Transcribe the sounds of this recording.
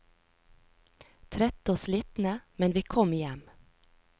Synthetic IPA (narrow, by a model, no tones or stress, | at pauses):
t̪ʰɾɛt̪ɔːsliːt̪n̩əmɛnʋiːkʰɔmɪjɛm